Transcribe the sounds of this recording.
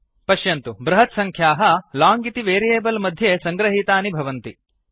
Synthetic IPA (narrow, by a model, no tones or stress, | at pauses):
pɐʃjɐnt̪ubɾɐɦɐt̪sɐŋkʰjaːɦɐlaːŋɡit̪iʋeːɾijeːbɐlmɐd̪ʱjesɐŋɡɾɐɦiːt̪aːnibʱɐʋɐnt̪i